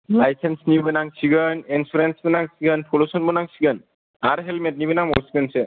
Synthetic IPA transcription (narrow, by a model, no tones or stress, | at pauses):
lajsensnibɯnaŋsiɡənensuɾensbɯnaŋsiɡənpʰolosɔnbɯnaŋsiɡən | aɾɦɛlmɛt̚nibɯnaŋɔsiɡənse